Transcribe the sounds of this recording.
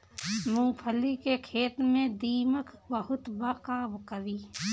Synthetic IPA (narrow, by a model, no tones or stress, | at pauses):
mʊ̃ŋɡpʰəlikekʰeːt̪mẽd̪iːməkʰbəɦʊt̪bakaːbkəɾiː